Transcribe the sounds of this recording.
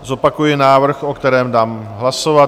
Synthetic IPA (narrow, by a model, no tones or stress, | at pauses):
zo̞pakujɪnaːvr̩xokt̪ɛɾɛːmdaːmɦlasova